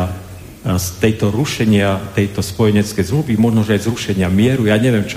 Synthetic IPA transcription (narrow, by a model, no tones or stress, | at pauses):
st̪ɛjt̪ɔɾuʃɛɲɪat̪ɛjt̪ɔspɔjɛɲɛt͡skɛjzmluʋimɔʒnɔʒɛazɾuʃɛɲɪamɪɛɾujaːɲɛʋɪjɛmt͡ʃ